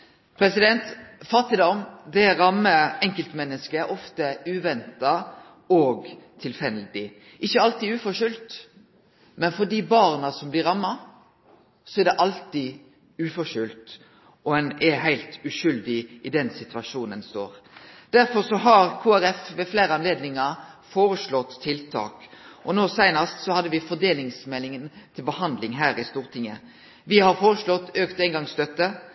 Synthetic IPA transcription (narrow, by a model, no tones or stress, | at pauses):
pʰɾɛsɪd̪ɛnt̪fɑʁt̪ɪd̪ɔmd̪ɛɾɑmːəɛŋkəlt̪mɛnːəskəɛɾʔɔft̪əʉːʋɛnt̪ɑ | ɔɡt̪ʰɪlfɛld̪ɪ | ʔɪçːəɑlt̪iːʉːfɔʃʏlt̪ | mɛnfɔd̪iːbɑʁnɑsɔmblɪɾɑmːɑ | sɔɛɾd̪ɛʔɑlt̪ɪ | ʉːfɔʃʏlt̪ | ɔɛnɛɦæɪlt̪ʉʃʏld̪ɪʔɪd̪ɛnsɪt̪ʉɑʂuːnənst̪o̰ːɾd̪̥æɾfɔɾsɔɦɑɾkʰuːæɾɛfʋɛfleːɾəɑnleːd̪nɪŋɑɾfoːɾəʂlɔt̪ʰːɪlt̪ʰɑ̰ːkʔɔnoːsæɪnəst̪sɔhɑd̪ːəʋɪfɔd̪eːlɪŋsmɛlɪŋənt̪ʰɪlbəhɑnd̪lɪŋɦæːɾɪst̪uːɾt̪ʰɪŋːə | ʋɪhɑɾfoːɾəʂlɔt̪ːøːkt̪ɛɪŋɡɑŋst̪œt̪ːə